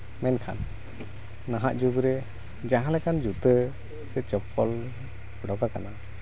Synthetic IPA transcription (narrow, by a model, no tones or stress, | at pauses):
mɛnkʰa̰nː | aɦaʔd͡ʒuɡɾɛ | d͡ʒaɦãlɛkand͡ʒut̪ə | sɛt͡ʃəpɔl | ɖɔɡakana